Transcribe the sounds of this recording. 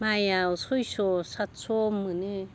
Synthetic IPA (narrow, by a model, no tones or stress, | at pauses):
majawsojsosat̪sʰomːɯne